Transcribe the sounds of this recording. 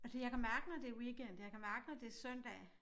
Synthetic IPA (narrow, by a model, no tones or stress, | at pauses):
æsəjɑ̈kʰæmæɐɡ̥ənɒd̥e̝wiɡ̥en̰d̥jɑ̈kʰæmæɐɡ̥ənɒd̥e̝sœn̰d̥ɛ̰ː